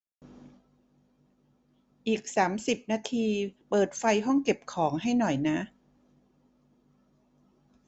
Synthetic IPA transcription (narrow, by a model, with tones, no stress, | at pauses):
ʔiː˨˩k̚saː˩˦msi˨˩p̚naː˧t̪ʰiː˧pɤː˨˩t̪̚fa˧jɦɔ˥˩ŋke˨˩p̚kʰɔː˩˦ŋɦa˥˩jnɔ˨˩jna˦˥ʔ